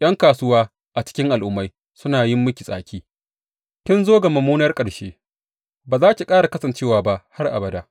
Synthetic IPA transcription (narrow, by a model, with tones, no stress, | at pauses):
ʔj̰ɐ˦ŋkaː˨sʊ˦waː˦ | ʔa˨t͡ʃɪ̥˦kʲɪ˦ŋʔa˨lʔʊ˦mːa˦j | sʊ˦naː˨jɪ˦mːʊ˦kʲi˨sʼa̰ː˨kʲiː˦ | kʲɪ˦nzoː˦ɡa˨mɐ˨muː˦nɐ˦rkʼɐ˨ɽʃeː˦ | baː˨zaː˦kʲi˨kʼaː˦ɽa˨kɐ˦sɐ˨nt͡ʃeː˦waː˨ba˦ʔha˦rʔa̰˨bɐ˨da˦˨ʔ